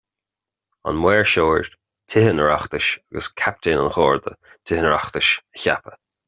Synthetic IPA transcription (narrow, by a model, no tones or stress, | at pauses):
a̰nmwɛːɹʃoːɹ | tʰɪhənəɹaxt̪əʃaɡəskʰap̚tʰeːna̰nxɔːɹd̪ə̰ | tʰɪhənəɹaxt̪əʃəça̰pə